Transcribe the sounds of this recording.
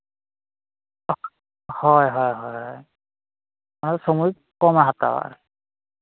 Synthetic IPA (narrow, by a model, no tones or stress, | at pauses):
hɔjɦɔjɦɔjɦɔɦɔj | manɛsomuj | kɔmaɦat̪a̰wa̰ɹ